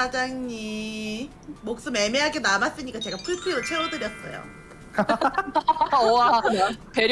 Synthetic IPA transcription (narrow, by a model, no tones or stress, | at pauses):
ad͡ʑaŋɲi | mok̚s͈ɯmemeɦaɡenamas͈ɯɲik͈at͡ɕe̞ɡapʰuɭsʰiɾot͡ɕʰweodɯɾjʌt̚s͈ʌ̰jo̰ | oapeɾ